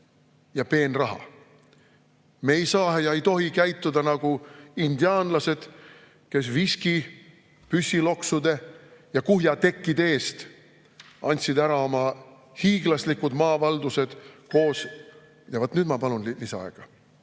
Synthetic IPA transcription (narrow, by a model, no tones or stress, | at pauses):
jɑpe̞ːnrɑɦɑ̰ | meejsɑːɦejɑejt̪o̞ɦikæjt̪ːˑud̪ɑnɑɡ̥uind̪̥iɑːnlɑse̞d̪̥ | ke̞s̬viski | pysʲːilo̞ksud̪e̞jɑkuɦjɑt̪e̞kːˑid̪e̞ːst̪ | ɑnʲt̪sid̪æɾɑo̞mɑ | hiːɡ̥lɑslikːud̪̥mɑːvɑld̪̥use̞d̪̥ko̞ːs | jɑvot̪ːˑnyd̪mɑpɑlunliseɑ̰eɡ̥ɑ